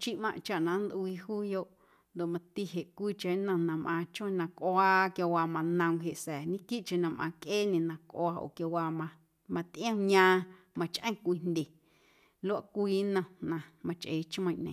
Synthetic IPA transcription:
t͡ʃi˦ʔmã̰˧ʔt͡ʃa˨ʔnã˨nd̪ʔwiː˧huː˦jo˧ʔ | nd̪o˨ʔmã˧t̪i˦ɦe˨ʔkʷiː˦t͡ʃẽ˨˦nə̃˧nã˧mʔãː˧t͡ʃõ˦˨˧nã˧kʔwaː˦kjo˧waː˧mã˧nə̃˧ŋ˧ɦe˨ʔsɛː˨ɲĩ˦ki˦ʔt͡ʃẽ˧˨nã˧mʔã̰ː˧kʔeː˦nẽ˨nã˧kʔo˧aː˧ʔo̰˨kjo˧waː˧mã˧ | mã˧t̪ʔj̃ə̃˦ɲãː˧mã˧t͡ʃʔə̃˦kʷiː˧n̥nd̪ʲe˨ | lo˦a˦˨kʷiː˦nə̃˧nã˧mã˧t͡ʃʔe˨˦t͡ʃmə̃˧˨ʔnẽ˨

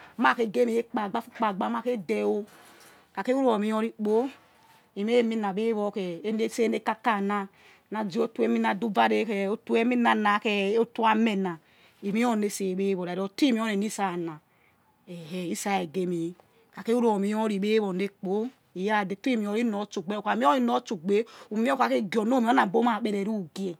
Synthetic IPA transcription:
ma˦˨ke˨ɡe˦mi˨e˦k͡pa˨ɡ͡ba˦fu˦k͡pa˨ɡ͡ba˨m˦a˦ke˦de˨o˦ | ka˨ke˦u˦ɾo˨mi˨˦ɔ˦ɾi˦k͡po˦ | i˨me˦˨mi˦na˨be˦βɔ˦ke˨˦ne˦se˦ne˦ka˦ka˦˨na˦ | na˨d͡ʒi˦o˦tu˦e˦mi˦na˨du˦va˦ɾe˦ke˨o˦tu˦e˦mi˦na˨na˨˦ke˨o˦tu˦a˦me˨na˨ | i˨mi˦o˦˨ne˦se˨be˦βo˨ɾa˨ɾo˨ti˦mi˦o˦ne˨ni˦sa˦˨na˨ | ɛ˨he˨i˦sa˦˨e˨ɡe˨˦mi˨˦ | ka˨ke˦u˦ɾo˨mi˦ɔ˦ɾi˨be˦βo˨ne˦k͡po˦ | i˨ja˦˨de˨ti˦mi˨o˨ɾi˦nɔ˨˦t͡ʃu˨ɡ͡be˦o˨ka˨mi˦o˦i˦nɔ˦t͡ʃu˨ɡ͡be˦u˨m˦o˦ka˨ke˦ɡɔ˨no˦mi˨˦o˦na˨bo˦ma˨ɓe˨ɾe˨ɾu˦˨ɡi˦e˨

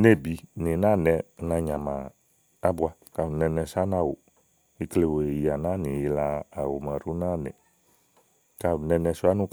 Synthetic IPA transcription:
ne˦˨bi˨˦ni˨˦na˦˨nɛ˧na˧ɲã˨maː˨˦ | bu˦a˧ka˧˨nɛ˧nɛ˧sa˦na˧˦˨wo̰˨ | i˦˧kle˧wo˨e˨i˨a˨na˦ni˨ji˧laː˧˨wṵ˨ma˨ɾu˦na˦˨nɛ̰˨ | ka˧˨nɛ˧nɛ˧su˦a˦nu˦

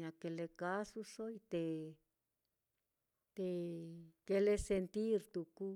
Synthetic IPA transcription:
ã˧ke˧le˧ka˦su˦so˦i˧t̪e˧ | t̪e˧ke˧le˧se˧nt̪i˦ɾt̪u˧ku˦

